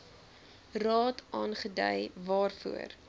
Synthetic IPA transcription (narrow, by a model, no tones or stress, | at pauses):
rɑːtʰʔɑːnχədə̰jvɑːrfṵər